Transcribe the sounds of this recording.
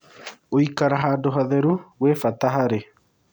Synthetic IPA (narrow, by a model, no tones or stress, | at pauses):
oikaɾaɦadoɦaðeɾuwefat̪aɦaɾe